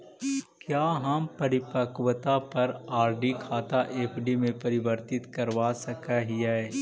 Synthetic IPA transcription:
kjaːɦɐmpɐɾɪpəkwət̪apɐɾaːɾɖikʰaːt̪aʔeːpʰɖimẽpɐɾɪʋəɾt̪ɪt̪kɐɾʋaːsɐkaɦiaɛ

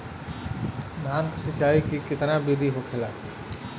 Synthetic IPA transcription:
d̪ʱaːnksɪt͡ʃaːikikɪt̪nabid̪ʱiɦokʰelaː

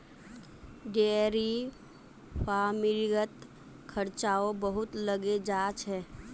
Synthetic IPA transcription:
ɖeːɾi | famɪɾɡət̪ | kʰəɾt͡ʃaːobəɦʊt̪ləɡed͡ʒaːt͡ʃɦɛː

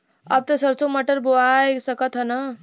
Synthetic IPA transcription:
ɐb̚t̪ɐsɐɾsomɐʈəɾboajsɐkət̪ɦɐna

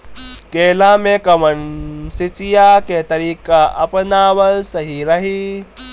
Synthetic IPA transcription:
keːlãmẽkɐmənsit͡ʃijaket̪ɐɾiːkaʔɐ̰pnaːʋəlsɐɦiɾɐɦi

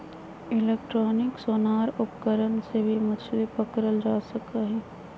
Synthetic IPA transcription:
ɪleːk̚ʈɾoːnɪksoːnaːɾʊpkəɾənsebʱimət͡ʃʰlipəkɾəlɾaːsəkaɦɛː

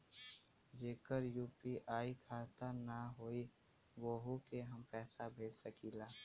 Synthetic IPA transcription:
d͡ʒeːkəɾjuːpiʔaːikʰaːt̪anaɦoːi | woːɦukeɦəmpɛːsabʱeːd͡ʒsəkiːlaː

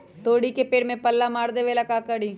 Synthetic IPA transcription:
t̪oːɽikepeːɽmẽpɐlːamaːɾd̪eʋelakaːkəɽiː

